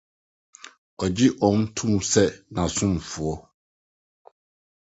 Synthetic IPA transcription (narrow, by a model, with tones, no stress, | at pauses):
ɔ˨d͡ʑi˦ʔɔ̃˨n˦tʰũ˦m˦sɛ˦nã˨sʊ̃˦m˨fʊ˨ɔ˦